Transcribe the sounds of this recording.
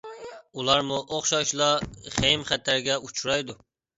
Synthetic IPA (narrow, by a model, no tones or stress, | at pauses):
ulˠɑɾmuʔoχʃɑʃlˠɑχejmχæt̪ʰːæɾɡʲɛut͡ʃʰuɾɑjd̪u